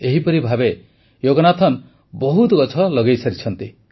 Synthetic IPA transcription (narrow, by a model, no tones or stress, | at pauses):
eɦipɔɾibʱabe | joɡɔnat̪ʰɔn | bɔɦut̪ɡɔt͡ʃʰɔlɔɡejsaɾit͡ʃʰɔnt̪i